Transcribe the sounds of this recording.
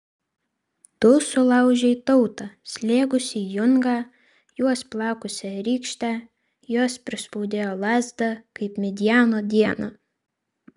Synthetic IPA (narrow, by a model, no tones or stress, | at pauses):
t̪ʊsʊlˠɐʊʒʲɛit̪ɔʊt̪ɑsʲlʲeːɡʊsʲiːjʊŋɡɑː | juɔsplˠɑːkʊsʲɛɾʲiːkʃʲt̪ʲæː | joɔspʲɾʲɪspɔʊd̪ʲeːjoːlˠɑːzʲd̪ɐkɐɪpmʲɛd̪ʲɪjæːnoːd̪ʲiɛnɑ